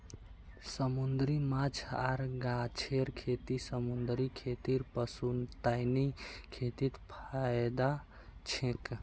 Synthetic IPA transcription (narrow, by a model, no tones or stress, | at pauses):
səmund̪ɾimat͡ʃʰa̰ɾɡat͡ʃʰeɾkʰet̪isəmund̪ɾikʰet̪iɾpəsunt̪ajnikʰet̪it̪pʰajd̪a | t͡ʃʰẽk